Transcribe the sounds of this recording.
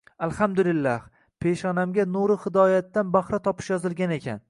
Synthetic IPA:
alˠhamd̪ʊlɪlːah | pʰe̞ʃɒnamɡʲanuɾɪhɪd̪ɒjat̪ːanbahɾat̪ʰɒpʰɪ̥ʃjɒzɪlˠɡʲane̞kʲʰa̰n

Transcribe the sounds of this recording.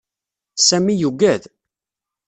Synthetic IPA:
sæmijuɡæð

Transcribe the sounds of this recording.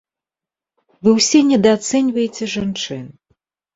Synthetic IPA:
vɨwsʲɛnʲɛd̪ɐt̪sɛnʲvɐjet͡sʲɛʐant͡ʂɨn

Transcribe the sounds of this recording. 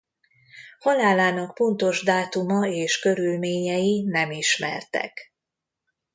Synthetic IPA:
hɒlaːlaːnɒk̚po̞nt̪o̞ʒd̪aːt̪umɒeːʃkø̞ɾylmeːɲɛjinɛmiʃmɛ̰rt̪ɛ̰k

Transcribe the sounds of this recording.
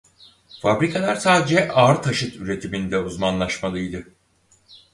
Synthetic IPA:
fabɾikʰalˠaɾt̪aːd͡ʒɛʔaːɾɯt̪ʰaʃɯt̪ʰyɾe̞t̪ʰimind̪ɛuzmanlˠaʃmalˠɯjd̪ɯ

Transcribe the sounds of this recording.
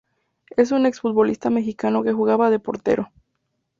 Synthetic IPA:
e̞s̬une̞ksfut̪̚bo̞list̪ame̞xikano̞ke̞xuɣaβaðe̞po̞ɾt̪e̞̰ɾʔo̞

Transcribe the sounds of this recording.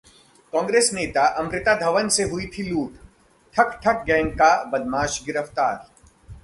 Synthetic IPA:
kɔ̃ːŋɡɾeːsneːt̪aʔɐmɾɪt̪ad̪ʱɐʋənseɦʊit̪ʰiluːʈ | ʈʰɐkʰʈʰɐk̚ɡɛ̃ːŋkabɐd̪maːʃɡɪɾəft̪aːɾ

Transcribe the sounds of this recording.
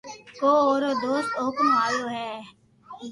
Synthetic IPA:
koːoːɾod̪oːst̪oːkmaːjoːɦɛː

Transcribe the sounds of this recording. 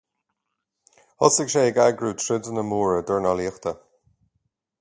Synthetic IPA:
hɔsɪɡʃeːɡaːɡɹuːtʰɹɪdənəmuːɹəd̪əɹnɔliːxt̪ə

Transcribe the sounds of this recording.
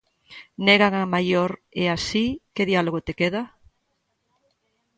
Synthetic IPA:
neɣaŋamajoɾeasikeðialoɣot̪ekeð̞a

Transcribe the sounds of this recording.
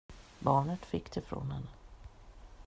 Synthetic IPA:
bɑːɳət̪fɪkːt̪ʰɪfɾo̰ːnhɛnː

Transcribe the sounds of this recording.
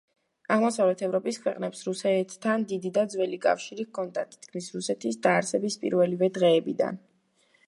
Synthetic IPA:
aʁmɔsavlɛt̪ʰɛvɾɔpʼiskʰwɛqʼnɛpsɾusɛt̪ʰːand̪id̪id̪ad̪zwɛlikʼa̰fʃiɾikʰʼɔnt̪ʼat̪ʰi̥t̪ʰkʰmisɾusɛt̪ʰisd̪aːɾsɛbispʼḭɾvɛlivɛd̪ʁɛːbid̪a̰n

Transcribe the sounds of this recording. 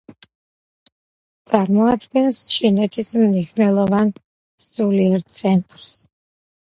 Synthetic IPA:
t̪sʼaɾmɔad̪ɡɛnst͡ʃʰinɛt̪ʰismniʃvnɛlˠɔvan | suliɛɾt̪sʰɛnt̪ʼɾs

